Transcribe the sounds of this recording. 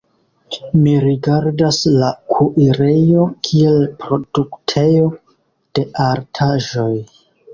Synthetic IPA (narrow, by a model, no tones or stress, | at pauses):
miɾiɡaɾdaslakʰuʔiɾe̞jo̞kʰielpɾo̞d̥uktʰe̞jo̞ | d̥e̞ʔaɾtʰaʒo̞j